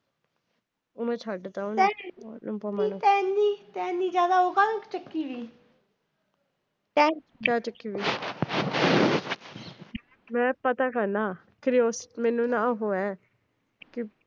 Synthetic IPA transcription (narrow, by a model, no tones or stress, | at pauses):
oːmɛ̃ːt͡ʃʰaːɖt̪aonnũːpomanːt̪ɛːniːt̪ɛːniːd͡ʒjaːd̪aːoːkalkt͡ʃəkːiːʋiː | tɛ | kaːt͡ʃəkːiːʋiː | mɛ̃ːpət̪aːkəɾnaː | kɾijoːsmɛːnũːnãːɦoːɛː | kɪ